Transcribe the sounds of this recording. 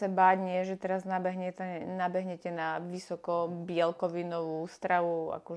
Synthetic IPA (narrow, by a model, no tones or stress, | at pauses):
sɛbaːɟɲɪɛʒɛt̪ɛɾaznabɛɦɲɛt̪ɛnabɛɦɲɛcɛnaʋisɔkɔbɪɛlkɔʋinɔʋust̪ɾaʋua̰kɔ